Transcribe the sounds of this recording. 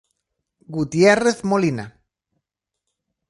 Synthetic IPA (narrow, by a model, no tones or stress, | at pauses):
ɡut̪jereθmolina̰